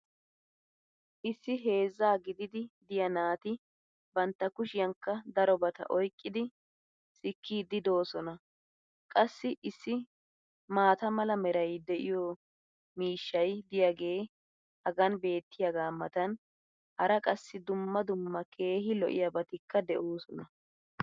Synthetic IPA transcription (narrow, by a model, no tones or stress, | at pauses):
ʔɪsːɪɦe̞ːzːaːɡɪd̪ɪd̪ɪd̪ɪjɐnaːt̪ɪ | bɐnt̪ːɐkʊʃɪjɐŋkːɐd̪ɐɾɔbɐt̪ɐ̰ʔɔjkʼːɪd̪ɪ | sɪkʰːiːd̪ɪd̪o̞ːsɔnɐ | kʼɐsːɪʔɪsːɪ | maːt̪ɐmɐlɐmɛɾɐjd̪ɛʔɪjɔ | miːʃːɐjd̪ɪjɐɡe̞ː | hɐɡɐnbe̞ːt̪ːɪjɐɡaːmːɐt̪ɐn | hɐɾɐkʼɐsːɪd̪ʊmːɐd̪ʊmːɐkʰe̞ːɦɪlɔ̰ʔɪ̰jɐbɐt̪ɪkːɐd̪ɛʔoːsɔnɐ